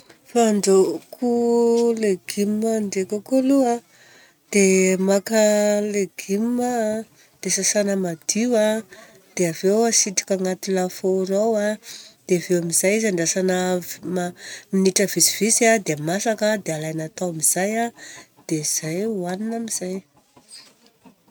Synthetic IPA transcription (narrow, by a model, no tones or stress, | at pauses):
faɳɖ͡ʐokʰuleɡ̥immaɳɖ͡ʐekakolua | d̪̥emakəleɡ̥imːa | d̪̥esasanəmad̪̥iwa | d̪̥eavewasiʈ͡ʂi̥kaŋat̪ilafoɾawad̪̥eavewamizajizaɳɖ͡ʐasanəmaminiʈ͡ʂəvisiv̥isad̪eamasakəd̪ealajnat̪awamiz̥ajad̪̥eiz̥ajuaninamiz̥aj